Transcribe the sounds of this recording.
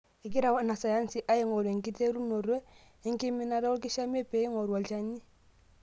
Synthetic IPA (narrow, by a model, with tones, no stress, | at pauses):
i˨ki˦ɾa˨wa˦˨na˨sa˨ja˦nsi˨ʔa˦i˦ŋo˨ɾe˨ŋki˦te˦ɾu˦no˨ɾo˦ | i˨˦ŋ˦ki˦mi˦na˦ɾa˦ɔ˦ki˦ʃa˦m˦e˦pe˨˦i˦ŋo˨ɾu˨wa˨lt͡ʃa˦ɲi˦